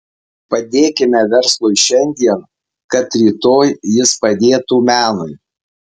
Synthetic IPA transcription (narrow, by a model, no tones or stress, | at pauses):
pɐd̪ʲeːkʲɪmʲɛʋʲɛɾslˠʊɪʃʲɛnʲd̪ʲiɛn | kɐt̪ɾʲiːt̪oːjjɪspɐd̪ʲeːt̪uːmʲæːnʊɪ